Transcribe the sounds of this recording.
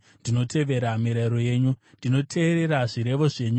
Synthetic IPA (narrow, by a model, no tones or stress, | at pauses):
ndino̞tʰe̞ʋe̞ɾamiɾeɾo̞je̞ːɲunndino̞tʰe̞ːɾe̞ɾaʐiɾe̞ʋo̞ʐe̞ːɲu